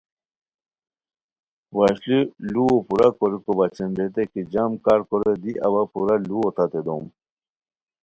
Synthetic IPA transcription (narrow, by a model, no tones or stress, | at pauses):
waɕliluopuɾakoɾikobat͡ɕenbet̪ekid͡ʑamkaɾkoɾed̪iʔɐ̰bapuɾaluot̪at̪ed̪om